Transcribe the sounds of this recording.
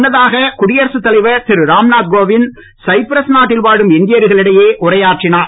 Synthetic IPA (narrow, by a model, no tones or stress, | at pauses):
nːɐðaːɣɐkʊɽɪjɐɾsɯt̪ːɐlɐɪʋɐsɪɾɯɾaːmnaːd̪̚ɡoːʋɪn | sɐɪpɪɾɐsnaːʈːɪlʋaːɻɯmɪnd̪ɪjɐɾɯɣɐɭɪɽɐjeːʔʊrɐjaːʈrɪnaː